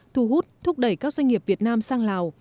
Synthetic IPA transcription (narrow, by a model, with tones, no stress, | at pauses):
t̪ʰu˧˩ɦu˦˥t̚t̪ʰʊ˦˥k͡p̚ɗə˧˩jkaː˦˥k̚zwa˧ŋ̟ŋi˨˩əp̚vi˨˩ət̚naː˧msaː˧ŋlaː˨˩w